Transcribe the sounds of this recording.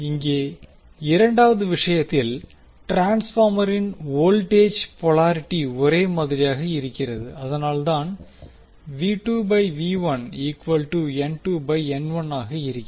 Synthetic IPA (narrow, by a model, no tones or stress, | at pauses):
ɪŋɡeː | ɪɾɐɳɖaːʋɐðɯʋɪʂɐjɐt̪ːɪl | ʈɾaːnsfaːmɐɾɪnoːlʈeːd͡ʒpɔɭaːɾɪʈːiɔɾeːmɐðɪɾɪjaːɣɐɪɾɯkːɪrɐðɯɐðɐnaːlt̪aːn | ʋiːʈuːbɐɪʋiːʋɐniːkʋɐlʈuɛnʈuːbɐɪɛnʋɐnaːɣɐɪɾɯkʲː